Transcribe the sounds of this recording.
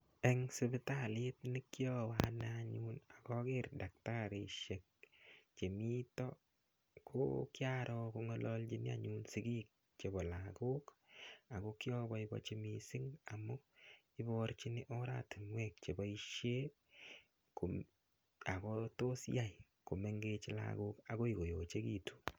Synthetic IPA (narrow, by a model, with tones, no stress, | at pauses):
ɛ˦ŋsɪ˦bɪ˦ta˨li˦tni˦kjɔwanaɲuna˨kɔ˦kɪ˦rda˨k̚taɾi˨ʃe˨k̚t͡ʃe˨mi˦tɔ | kʰo̰kjaɾʔɔ˧ko˧ŋɔ˦lɔlt͡ʃini˦a̰˦ɲunsi˦ɡi˦k̚ | t͡ʃe˨bɔ˨la˨ko˦ka˨ko˦ki˦ɔ˦bɔ˦ibɔ̰˦t͡ʃe˦misɪ˦ŋa˨mʊ˦ | i˦bɔ˦ɾt͡ʃi˦nɪ˦ʔɔ˦ɾa̰˦tɪ˨mwɛk̚t͡ʃe˨bɔ˨i˦ʃje˦ | ko˨ | a˨kɔ˦to˦sja˦j | ko˨me˦ŋɡe˧t͡ʃɪ˦la̰ɡo˦ka˨ko˦i˨ɡo˨jo˨t͡ʃe˦kitu̥˨